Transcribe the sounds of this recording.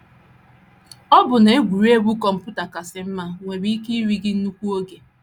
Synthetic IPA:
ɔ˦bʊ˨na˨e˦ɡʷu˨ɾi˦e˦ɡu˦kɔ˨m̩˨pu˦ta˨ka˨sɪ˨m̩˦ma˦ŋʷe˨ɾi˦ki˦i˦ɾi˦ɡɪ˦n̩˦nu˦kʷu˦o˦ɡe˨

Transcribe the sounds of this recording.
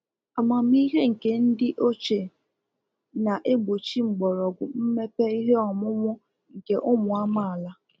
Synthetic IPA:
a˨ma˨m̩˦i˦ɦe˦ŋ̩˨ke˨n̩˦dɪ˦ʔo˦t͡ʃe˨ | na˨ʔe˦ɡ͡bo˨t͡ʃi˦ŋ͡m̩˨ɡ͡bɔ˨ɾɔ˨ɡʷʊ˨m̩˦me˦pe˦i˦ɦe˦ɔ˨mʊ˦mʊ˦ | ŋ̩˨ke˦ʔʊ˦mʊ˨a˦ma˦˨a˨la˦

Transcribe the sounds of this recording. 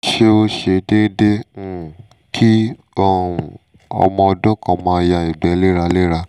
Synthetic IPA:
ʃe˦o˧ʃe˧de˦dẽ˦˨ | kʰi˦ | o˦˨ | ɔ̰˧mɔ̃˧ɔ˧dɔ˦kɔ̃˧mãː˧ja˧i˨ɡ͡bɛ˨˦le˦ɾa˧le˦ɾa˧

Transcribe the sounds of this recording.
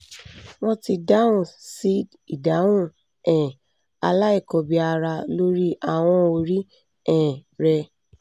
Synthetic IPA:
wɔ̃˦ti˧da˦ũ˨si˦d | i˨da˨˦ũ˦˨ | ɛ̃˨ | a˧la˦i˦˨kɔ˨˧bi˧a˧ɾa˧lo˦ɾi˦ʔa˦˨w̃ɔ̃˧o˧ɾi˦ | ɛ̃˨ɾɛ˧

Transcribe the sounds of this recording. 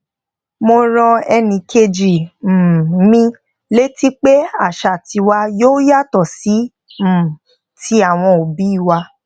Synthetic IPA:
mo˧ɾ̃ɔ̃˧ɛ˧nĩ˧kʰe˧d͡ʒi˨˦ | mĩ˧ | le˦ti˦k͡pe˦a˦˨ʃa˨ti˧wa˧joː˦ja˦˨tɔ˦˨si˨˦ | m̩˨ | tʰi˦a˦˨w̃ɔ̃˧o˨bi˨˦i˦˨wa˧

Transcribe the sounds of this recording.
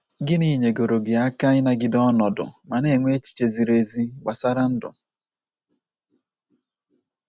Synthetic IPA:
ɡɪ˦ni˦˨ɲe˨ɡo˨ɾo˨ɡɪ˨a˦ka˦ɪ˦na˨ɡɪ˦dɔ˦nɔ˨dʊ̰˨ma˨ne˨ŋʷe˦t͡ʃi̥˨t͡ʃe˨zi˨ɾe˨zi˦ɡ͡ba˨sa˦ɾa˦n̩˦dʊ̰˨

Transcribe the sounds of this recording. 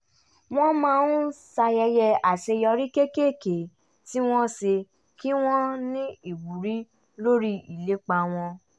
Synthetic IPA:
w̃ɔ̃˦mã˦˧nũ˦sa˧jɛ˧jɛ˧a˨te˧jɔ˧ɾi˦ke˦ke˦˨ke˨ | ti˦w̃ɔ̃˦se˧ | ki˦w̃ɔ̃˦nĩ˦i˨ɡ͡bu˨ɾi˦ | lo˦ɾi˦i˨le˨˦k͡pa˧˨w̃ɔ̃˧

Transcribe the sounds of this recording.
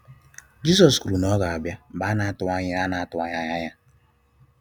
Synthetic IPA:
d͡ʒi˦s̬ɔ˨skɾu˨nɔ˦ɣɔ˨a˨bja˦˨ba˦na˨˦tʊ˨˦a˦ɲ˦a˦na˨a˦tʊ˨a˦ɲa˦ɲa˦ɲa˦

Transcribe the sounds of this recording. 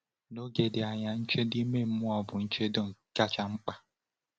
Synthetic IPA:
no˦ɡe˨dɪ˨a˨ɲa˦n̩˦t͡ʃe˦di˦me˦m̩˦mʊ˦ɔ˨bʊ˨n̩˦t͡ʃe˦dʊ˨ŋ̩˨ka˦t͡ʃa˦ŋ͡m̩˦k͡pa˦

